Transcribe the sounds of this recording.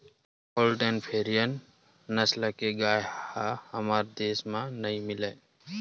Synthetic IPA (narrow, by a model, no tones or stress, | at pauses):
poːlʈənpʰeːɾijənː | əsləkeɡaːjhahəmaːɾd̪eːsmãnəĩmɪleː